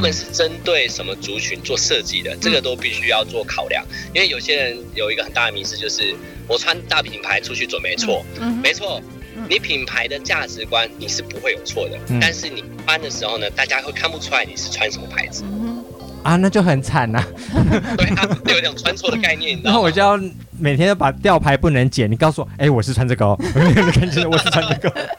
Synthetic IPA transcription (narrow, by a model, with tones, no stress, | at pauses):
u˧˥lə˨nʂɻ̩˥˨ʈ͡ʂə˦nt̪we˥˩ɪʂə˨˦nmə˦t͡su˨˥t͡ɕʰy˧˦nt͡swɔ˥˧ʂɤ˥˧t͡ɕi˥˨˩d̪ə̰˩ʈ͡ʂə˥˩ɡə˩t̪o˥ʊpi˥˨ɕy˥jɑ˥˧ʊt͡swɔ˥˩kʰɑ˨˩ʊljɑ̰˨˦ŋi˥nwe˥˩ɪjo˨˩ʊɕjɛ˦˥ɻə˧˦njo˨ʊi˧˥ɡə˧ə˨˩nt̪a˥˩d̪ə˨mi˧˦sɹ̩˥˧t͡ɕjo˥˧ʊʂɻ̩˥˩ | wɔ˨˩t͡sʰwa˦nt̪a˥˩pʰi˨˩npʰa˧˦ɪʈ͡ʂʰu˥t͡ɕʰy˥˩t͡swə˨˩npe˥˧ɪt͡sʰwɔ˥˩me˧˥ɪt͡sʰwɔ˥˩ | ni˨˩˦pʰi˨˩npʰa˧˥ɪd̪ə˨t͡ɕja˥˩ʈ͡ʂɻ̩˨˦kwa˦nni˨˩ʂɻ̩˥˩pu˧˦xwe˥˩ɪjo˨˩ʊt͡sʰwɔ˥˩d̪ə̰˩˥t̪a˥˧nʂɻ̩˥˩ni˨˩pa˥nd̪ə˨ʂɻ̩˧˦xo˥˩ʊnə˩t̪a˥˩t͡ɕja˦˥xwe˥˩ɪkʰa˥˧npu˥˧t͡sʰu˥la˧ɪni˨˩ʂɻ̩˥˨t͡sʰwa˦nʂʰə˧˨˩pʰa̰˨˥ɪd͡z̩˥ | a˨na˥˧t͡ɕjo˥˩ʊxə˨˩nt͡sʰa˨˩nɐ˨ | we˥˩˥jo˨˧˦tjŋt͡sʰwa˥nt͡sʰwɔ˥˩d̪ə˨˧ka˥˧ɪnjɛ˥˨na˦˥˩wɔ˨˩jjɑ˥˩ | me˨˩ɪt̪ʰjɛ˥nt̪o˥˩pa˨˩t̪jɑ˥˨ʊpʰa˧˥ɪpu˥˩nə˧˦ŋt͡ɕjɛ˨˩ni˨˩ksu˥˩wɔ˨˩e˥˩ɪwɔ˨˩ʂ̩˥˨t͡sʰwa˥nt͡sə˥˧˩kɑ˥ʊ˨˩˥ə˥kʰa˥˩nt͡ɕʰi˥n˨wɔ˨˩ʂʂ̩ʰ˥˧a˥nt͡sə˥˩kɑ˥ʊ